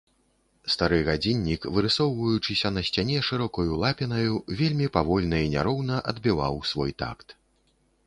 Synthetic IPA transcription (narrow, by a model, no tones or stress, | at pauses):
st̪aɾɨɣad͡zʲinʲːikvɨɾɨsɔwvɐjut͡ʂɨsʲɐnɐsʲt͡sʲanʲɛʂɨɾɔkɐjulˠapʲinɐjuvʲelʲmʲipavɔlʲnɐinʲaɾɔwnɐʔɐd̪bʲiva̰wsvɔjt̪a̰kt̪